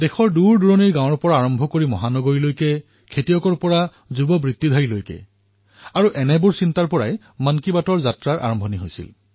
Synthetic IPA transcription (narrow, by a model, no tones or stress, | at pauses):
dɛxɔɹduɹduɹɔniɹɡãw̃ɔɹpɔɹaːɹɔmbʱɔkoɹimɔ̰ɦanɔɡoɹilojkɛ | kʰetijɔkɔɹpɔɹa | zubɔbɹit̪ːid̪ʱaɹilojkɛ̰ | aɹuʔɛnɛbuɹsintaɹpɔɹa̰j | mankibatɔɹzatɹaɹʔa̰ɹɔmbʱɔniɦojsḭl